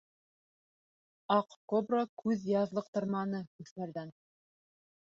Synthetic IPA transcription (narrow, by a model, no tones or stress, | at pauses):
ɑqkobrokʰʉðjɑðlˠɤq̚t̪ɤ̆ɾmɑnɤkʉθmæ̆ɾd̪æn